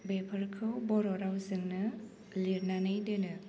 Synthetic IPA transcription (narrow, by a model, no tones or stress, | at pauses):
bepʰəɾkʰɯwbɔɾɔɾawzɯŋnɯ | liɾnanɯjdɯnɯ